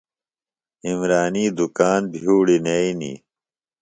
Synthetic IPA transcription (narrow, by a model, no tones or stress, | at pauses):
imɾaːniːd̪ukaːnbʱiuːɽineinḭː